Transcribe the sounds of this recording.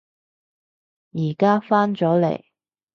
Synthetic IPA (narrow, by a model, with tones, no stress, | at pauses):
jiː˨˩kaː˥faː˥nt͡sɔː˨˥lḛ˨˩j